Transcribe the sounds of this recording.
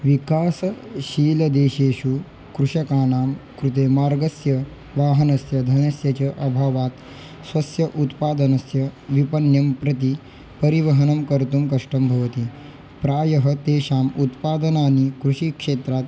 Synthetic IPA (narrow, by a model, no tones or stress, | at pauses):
ʋikaːsɕiːlɐd̪eːɕeːɕu | kɾuʂɐkaːnaːmkɾut̪eːmaːɾɡɐsjɐ | ʋaːɦɐnɐsjɐd̪ʱɐnɐsjɐt͡ɕɐʔɐbʱaːʋaːt̪ | sʋɐsjɐʔut̪paːd̪ənɐsjɐʋipɐnjɐmpɾɐt̪i | pɐɾiʋɐɦənɐmkɐɾt̪umkɐʂʈɐmbʱɐʋt̪i | pɾaːjɐɦət̪eːɕaːmut̪paːd̪ənaːnikɾuʂikʂeːt̪ɾat̪